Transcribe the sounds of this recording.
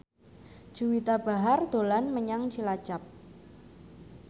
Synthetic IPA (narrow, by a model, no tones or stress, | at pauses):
ʒ̥uwit̪ab̥a̤ɦard̪̥o̤lanməɲaŋt͡ʃilḁd͡ʒ̥ap̚